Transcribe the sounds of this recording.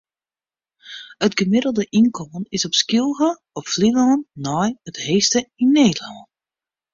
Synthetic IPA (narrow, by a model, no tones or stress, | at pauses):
ətɡəmɪdəl̩ˠdəʔinkʰomənɪsɔpskilˠɣə | ɔpflilɔnnɔjətheːstəinːeːdəlɑnt